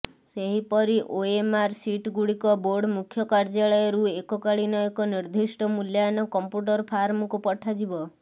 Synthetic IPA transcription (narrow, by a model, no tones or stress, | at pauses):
seɦipɔɾiʔoemaɾsiʈɡuɽikɔboɾɖmukʰjɔkaɾd͡ʒaɭɔjɔɾuekɔkaɭinɔekɔniɾd̪ʱisʈɔmuljanɔkɔmpjuʈ̬ɔɾpʰaɾmɔkupɔʈʰad͡ʒibɔ